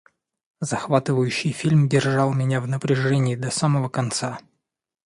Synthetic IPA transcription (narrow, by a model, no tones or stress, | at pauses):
zɐxvat̪ɨvəjʉɕːɪjfʲilʲmdʲɪrʐɑlˠmʲɪnʲavnəpɾʲɪʐɛnʲɪːd̪ɐsaməvəkɐnt̪sa